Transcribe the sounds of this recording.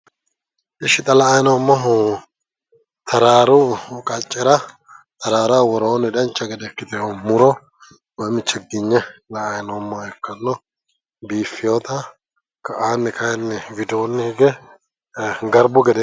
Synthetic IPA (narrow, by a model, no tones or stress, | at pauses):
ʔɪʃɪt̪ʼɐlɐːjnomːɔɦ | t̪ʰɐɾaːɾʊkʼɐt͡ʃʼːɛɾɐ | t̪ɐɾaːɾawɔɾoːnɛd̪ɐnt͡ʃːɐɡɛd̪ɛkːɪt̪ɛjomʊɾɔ | wɔjmɪt͡ʃːɛɡɪɲːɛlɐːjnomːɔɛkːɐnːɔ | biːfːɪjot̪ɐ | kɐʔaːnːɛkɐjnːɛvɪd̪onːɛhɡɛ | ɡɐɾbʊɡɛd̪ɛ